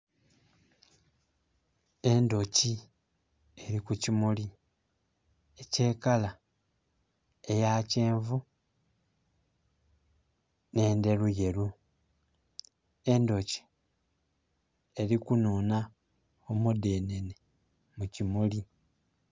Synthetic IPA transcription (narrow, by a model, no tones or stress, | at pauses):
e̞ndo̞ci | e̞ɾikucimuli | ece̞ːkala | e̞jaceːɱvu | ne̞ːnde̞ɾuje̞ɾu | e̞ndo̞ci̥ | e̞ɾikunuːna | omudene̞ne | mucimuli